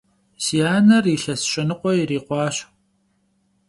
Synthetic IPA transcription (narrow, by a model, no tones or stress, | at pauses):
sijaːnɐriɬɐsɕʼɐnɨqʷɔjɪɾiːqʷɑːɕ